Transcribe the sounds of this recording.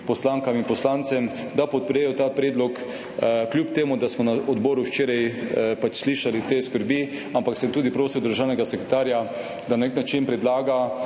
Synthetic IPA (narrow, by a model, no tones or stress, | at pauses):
pɔslaŋkaminpɔslant̪sɛm | d̪apɔt̪̚pɾɛjɔt̪apɾɛːd̪lɔk | kljuːpt̪eːmud̪asmɔnaʔɔd̪bɔːɾuʃt͡ʃeːɾajpat͡ʃsliːʃalit̪eːskəɾbi | ampaksɛmt̪uːd̪ipɾoːsiwd̪əɾʒaːwnɛɡasɛkɾɛt̪aːɾja | d̪ananeknat͡ʃinpɾɛd̪laːɡa